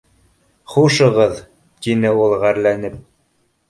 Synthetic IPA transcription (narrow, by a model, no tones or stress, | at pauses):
χuʃɤ̆ʁɤð | t̪inɘulˠʁæɾlænɘp̚